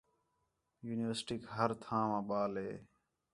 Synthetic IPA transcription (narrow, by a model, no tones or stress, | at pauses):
juːnɪʋəɾsʈiːkɦəɾt̪ʰãːʋãːɓaːlɦeː